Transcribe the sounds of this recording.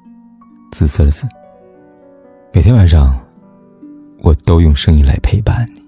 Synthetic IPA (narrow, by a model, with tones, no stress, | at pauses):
t͡sɹ̩˨˩sə˥˧˥t͡sɹ̩˨˩˦ | me˨˩t̪ʰjɛ˥wa˨˩nʂɑ˥˩ŋ | wʔɔ˨˩t̪o˥ʊjʊ˥˧ŋʂɤ˥ŋi˥˧nla̰˧˥ɪpʰe˥˧ɪpa̰˥˩ni˩